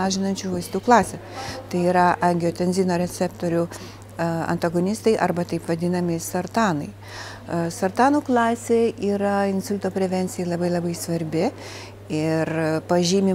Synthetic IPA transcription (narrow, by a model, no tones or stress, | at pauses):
ɑːʒʲɪnɐnʲt͡ʃʲuːʋɐɪst̪uːklˠɑːsʲɛt̪ɐɪiːɾɐʔɐŋʲɡʲɪjoːt̪ʲɛnʲzʲiːnoːɾʲɛsʲɛpt̪oːɾʲʊ | ɐ̰nt̪ɐɡonʲɪst̪ɐɪʔɐɾbɐt̪ɐɪpʋɐd̪ʲɪnɐmʲɪsɐrt̪ɑːnɐɪ | sɐrt̪ɑːnuːklˠɑːsʲeːiːɾɐɪnsʊlʲt̪oːpʲɾʲɛʋʲɛnʲtsʲɪjɛɪlˠɐbɐɪlˠɐbɐɪsʋɐɾʲbʲɪ | ɪɾpɐʒʲiːmʲɪ